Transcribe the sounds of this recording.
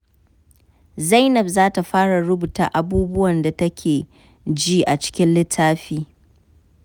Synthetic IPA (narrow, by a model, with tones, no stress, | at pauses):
za˦jnɐ˨bzaː˦ta˨ɸaː˦ɽa˨ɽʊ˦buː˨taː˨ʔa˨buː˦bʊ˦wɐ˨nda˨tɐ˦kʲʰeː˨ | d͡ʒiː˦ʔa˨t͡ʃɪ̥˦kʲɪ˦nlɪ˦tʰːaː˦ɸiː˦